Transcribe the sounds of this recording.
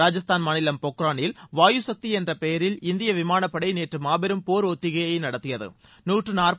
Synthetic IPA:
aːd͡ʒɐst̪aːnmaːnɪlɐmpɔkːɾaːɳɪlʋaːjusɐk̚t̪iɛndrɐpɛjɐɾɪlɪnd̪ɪjɐʋɪmaːnɐpːɐɽɐɪneːʈrɯmaːbɪɾɯmpoːɾɔt̪ːɪɣɐjɐɪnɐɽɐt̪ːɪjɐðɯ̰ | nuːʈrɯnaːrp

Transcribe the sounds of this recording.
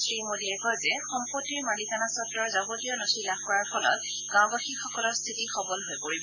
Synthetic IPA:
sɹimodiɛkɔzɛxɔmpotiɹmalikanasɔtːɔɹzabotijɔnɔsilaɔɹaɹpʰɔlɔ̰t | ɡãbaxixɔkɔlɔɹst̪ʰitixɔbɔlɦojpoɹibɔ

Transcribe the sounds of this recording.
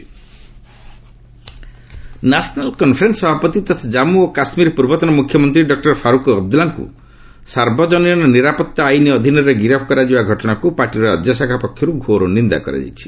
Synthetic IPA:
nasnalkɔnpʰɾensɔbʱapɔt̪it̪at̪ʰad͡ʒamuokasmiɾpuɾbɔt̪ɔnɔmukʰjɔmɔnt̪ɾiɖɔk̚ʈɔɾpʰaɾukɔːb̚d̪ulaŋkṵ | saɾbɔd͡ʒɔniɔnɔniɾapɔt̪ːaːjniɔd̪ʱinɔɾeɡiɾapʰkɔɾad͡ʒibaɡʱɔʈɔɽ̃akupaɾʈiɾɔɾa̰d͡ʒjɔsakʰapɔkʰjɔɾuɡʱoɾonind̪a̰kɔ̰ɾa̰d͡ʒa̰jt͡ʃʰi̥

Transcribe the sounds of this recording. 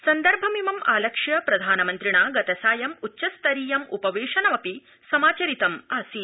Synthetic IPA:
sɐnd̪ɐɾbʱɐmimɐmaːlɐkʂjɐpɾɐd̪ʱaːnɐmɐnt̪ɾiɳaːɡɐt̪ɐsaːjɐmutːʃɐst̪ɐɾiːjɐmupɐʋeːʂɐnɐmɐpi | sɐmaːt͡ʃɐɾit̪ɐmaːsi

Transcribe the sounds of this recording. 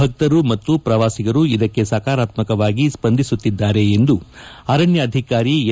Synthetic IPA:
ɐk̚t̪ɐɾumɐt̪ːupɾɐʋaːsiɡɐɾuid̪ɐkːe̞saːkaːɾaːt̪mɐkɐʋaːɡispɐnd̪ʱisut̪ːid̪ːaːɾe̞ːnd̪uɐɾɐɳjɐːd̪ʱikaːɾi

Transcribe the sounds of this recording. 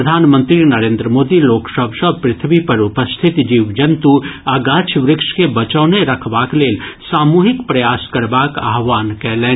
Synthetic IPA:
əd̪ʱaːnmə̃nt̪ɾinɐɾẽːnd̪ɾəmoːd̪iloːksəbʱsəbpɾɪt̪ʰʋipɐɾʊpəst̪ʰɪt̪d͡ʒiːʋd͡ʒɐnt̪uaːɡaːt͡ʃʰʋɾɪkʃkebɐt͡ʃəːneɾɐkʰʋaːkleːlsaːmuːɦɪkpɾɐjaːskɐɾbaːka̰ːɦʋaːnkɛɦlẽː

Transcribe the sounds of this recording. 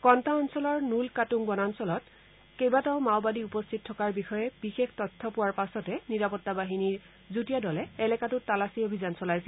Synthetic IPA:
kɔntaɔnsɔlɔɹnulkatuŋbɔnansɔlɔt | kejbataʊmaʊbadiupɔstʰit̚tʰːɔkaɹbixɔjɛb̥ixextɔtʰːɔpʊwaɹpasɔtɛniɹapɔtːabaɦiniɹ | zutijadɔlɛɛlɛkatʊtːalasiobʱizansɔlajsɛ

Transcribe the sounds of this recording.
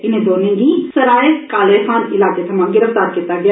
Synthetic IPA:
ɪnẽd̪oːnẽːɡĩsɐɾaːekaːlexaːnɪlaːket̪ʰɐmãɡɪɾəft̪aːɾkit̪aɡɐja

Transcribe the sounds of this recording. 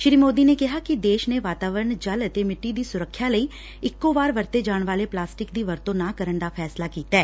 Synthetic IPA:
ʃɪɾiːmoːd̪iːneːkɪɦaːkɪd̪eːʃneːʋaːt̪aːʋəɾəɳd͡ʒələt̪eːmɪʈːiːd̪iːsʊɾəkʰːjaːləiː | ɪkːoːʋaːɾʋəɾt̪eːd͡ʒaːɳʋaːleːplaːsʈɪkd̪iːʋəɾt̪õːnãːkəɾəɳd̪aːpʰɛːslaːkiːt̪aɛː

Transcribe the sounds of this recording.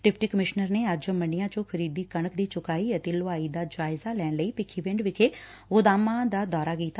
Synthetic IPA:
ʈɪpʰʈiːkəmɪʃnəɾneːəd͡ʒomənɪjãːt͡ʃõːkʰəɾiːd̪iːkəɳəkd̪iːt͡ʃʊkaːiːət̪eːlʊaːiːd̪aːd͡ʒaːɪzaːlɛːɳləiːpɪkʰːiːʋɪ̃ɳɖʋɪt͡ʃʰeː | ɣʊd̪aːmãːd̪aːd̪ɔːɾaːkiːt̪a

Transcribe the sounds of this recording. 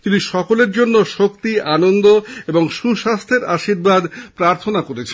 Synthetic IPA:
t̪iniʃɔkoleɾd͡ʑonːoʃokt̪ianond̪oeboŋʃuʃast̪ʰeɾaʃiɾbad̪pɾaɾt̪ʰonakoɾet͡ɕʰe

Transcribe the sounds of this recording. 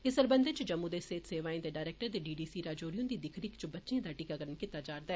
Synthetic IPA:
ɪsəɾbənd̪et͡ʃd͡ʒəmːũd̪eːseːt̪seːʋaːĩːd̪eːɖaːɾɛːk̚ʈəɾd̪eːɖiːɖiːsiːɾaːd͡ʒoːɾijõd̪iːd̪ɪkʰɾiːkt͡ʃbətːʃeãːd̪aːʈiːkaːɡəɾənkit̪ːaːd͡ʒaːɾd̪aɛ

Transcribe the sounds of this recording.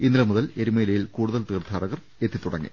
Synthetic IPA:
inːilɐmuðɐle̞ɾumeːlɐjilkuːɽuðɐlt̪iːrt̪ʰaːrɐɣɐr | et̪ʰːit̪ːuɽɐŋːḭ

